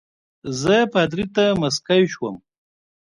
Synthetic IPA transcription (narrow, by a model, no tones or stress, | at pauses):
zəpat̪̬ɾit̪amɐskajʃwəm